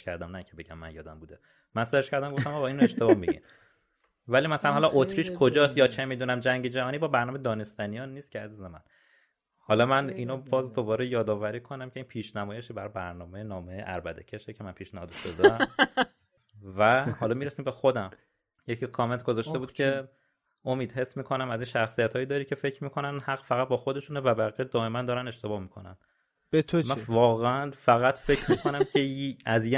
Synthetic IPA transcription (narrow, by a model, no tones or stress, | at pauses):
cʰæɾd̪æmnæiŋcʰebe̞ɟæmːæ̰njɒ̰ːd̪æmbuːd̪e | mænseɾʃkʰæɾd̪æmɡoft̪æmɒɣɒinoe̞ʃt̪eɒmiɟḭm | væliːmæsælænhɒlɒʔot̪ʰɾiːʃkʰo̞d͡ʒɒːsjɒːt͡ʃʰe̞miːd̪unæmd͡ʒæŋɟed͡ʒæɦɒːniːbɒbæɾnɒːmeed̪ɒːne̞st̪ænijɒnːiːst̪cʰeæziːzemæ̰n | hɒlɒmæniːnobɒːzd̪o̞bɒːɾejɒːd̪ɒːvæɾiːkʰo̞næmcʲʰe̞iːnpʰiːʃnæmɒɔːjeʃibæɾɒbæɾnɒːmejenɒːmejeʔæ̰ɾbæd̪ḛcʰe̞ʃecʰemænpʰiːʃnæhɒ̰ːd̪oʃod̪e | væhɒːlɒːmiːɾesiːmbe̞xo̞d̪æm | jecʰikʰɒːment̪ʰɡozɒːʃte̞buːd̪kcʰe̞ | ʔo̞miːd̪he̞smiːkʰo̞næmæziːnʃæxsijæt̪hɒːjiːd̪ɒːɾiːcʰefe̞cʰɾmiːkʰo̞nænhæɣfæɣæt̪̚bɒːxo̞d̪e̞ʃunevæbæɣied̪ɒːe̞mænd̪ɒːɾæne̞ʃt̪e̞bɒːhmiːkʰonæ̰n | bet̪ʰomævɒːɣeænfæɣæt̪fe̞cʰɾmiːkʰo̞næmcʰeæzj